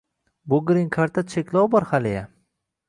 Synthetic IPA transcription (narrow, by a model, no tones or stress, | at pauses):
bʊɡɾɪŋkʰaɾt̪ʰat͡ʃʰekʲlɒwbɒɾhaleja